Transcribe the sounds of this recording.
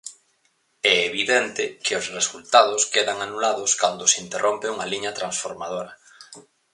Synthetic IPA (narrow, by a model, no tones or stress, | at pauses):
ɛeβiðɛnt̪ɪkɪʊsresult̪aðʊskeðɐŋanulaðʊskand̪ʊsint̪erʔompɪuŋaliɲɐt̪ɾansfoɾmað̞oɾɐ